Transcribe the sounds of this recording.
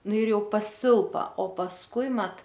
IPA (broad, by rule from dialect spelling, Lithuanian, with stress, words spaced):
ˈnʊ ɪr ˈjɛʊ pɐˈsʲɪlˠpɐ oː pɐsˈkʊɪ ˈmɐt